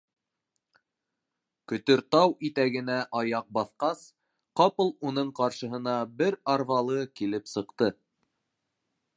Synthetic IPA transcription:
kɵ̆t̪ɵ̆ɾt̪ɑwit̪æɡɘ̆næʔɑjɑq̚bɑθqɑs | qɑpɤlˠunɤɴqɑɾʃɤ̆ɦɤ̆nɑbɘɾɑɾvɑlˠɤkilɘpsɤ̆qt̪ɤ

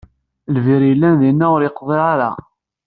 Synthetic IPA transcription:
lviɾjəlːænðinːæʊɾɪqːðˤiʁaɾa̰

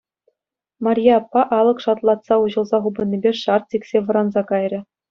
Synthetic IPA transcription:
mɑrʲjeɑpːɑʔɑlˠɤ̆kʂɑt̪lˠɑt̪sɑuʑɤ̆lˠzɑχubɤ̆nʲːibʲeʂɑrt̪̚tʲiksʲeʋɤ̆ɾɑnzɑkɑjrʲɘ̆

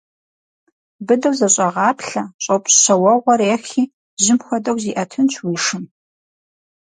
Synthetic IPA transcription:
bɨdɐwzɐɕʼɐʁɑːpɬɐɕʼɐpʷʼɕɕɐwɐʁʷɔɾeːxiː | zɪmxʷɔdɐwziːʔɐtʰɨnt͡ʃʰwiːʂɨm

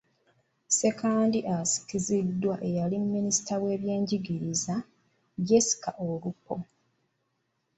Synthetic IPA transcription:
se̞kaːndiʔasi̥kizidːwaʔe̞jalimːinisi̥tʰawe̞ːβje̞ːɲɟiɡiɾiza | ɟesi̥kaʔoɾupːo̞

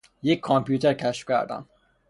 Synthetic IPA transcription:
jekʰːɔmpʰjut̪ʰeɾkʲʰæʃfkʰæ̰ɾd̪æ̰n

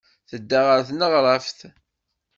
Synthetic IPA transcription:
θəd̪ːaʁəɾθnəʁɾˤɑfθ

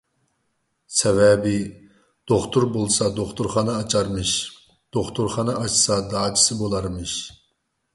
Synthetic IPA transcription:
sɛvɛbɪ | d̪̥oχt̪ʰuɾbolˠsɑd̪oχt̪ʰuɾχɑnɨɑt͡ʃʰɑɾmɨʃ | d̪̥oχt̪ʰuɾχɑnɨʔɑt͡ʃsɑd̪ɑːt͡ʃʰi̥sɨbolˠɑɾmɨʃ

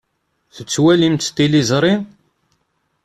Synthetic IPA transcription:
θət͡sːwælimt̪t̪ːilizˤɾˤi

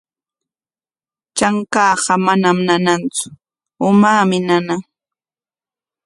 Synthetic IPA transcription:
t͡ʃaŋkɑːɢɑmanamnanant͡sʊ̥ | ʊmaːmɪnana

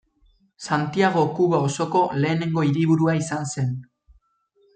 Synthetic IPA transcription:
sant̪iaɣ̞o̞kuβaoso̞ko̞le̞ːne̞ŋɡo̞iɾiβ̞uɾuaisanse̞n

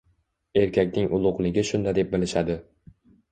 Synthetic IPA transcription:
e̞ɾkʲakʲnɪŋʔʊlˠʊqlˠɪɡʲɪʃʊnd̪ad̪e̞p̚bɪlɪʃad̪ɪ

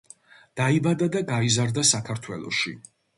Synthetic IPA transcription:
d̪̥aibad̪ad̪aɡaizaɾd̪asakʰaɾt̪ʰwɛlˠɔ̰ʃḭ

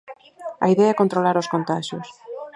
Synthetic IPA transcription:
ɐ̰iðɛaɛkont̪ɾolaɾoskont̪aʃjos

